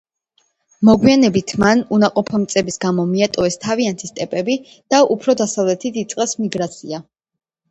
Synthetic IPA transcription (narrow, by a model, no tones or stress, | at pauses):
mɔɡwianɛbit̪ʰmanunaqʼɔpʰɔmt̪sʼɛbisɡamɔmiat̪ʼɔɛst̪ʰaviant̪ʰist̪ʼɛpʼɛbi | d̪̥aʔupʰɾɔd̪asavlɛt̪ʰit̪it̪sʼqʼɛsmiɡɾat̪sʰia